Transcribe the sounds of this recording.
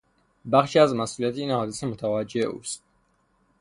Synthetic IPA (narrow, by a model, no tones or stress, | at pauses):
baχʃazmasuliat̪ʰinaɔisɛmut̪ʰawad͡ʒɛʔṵs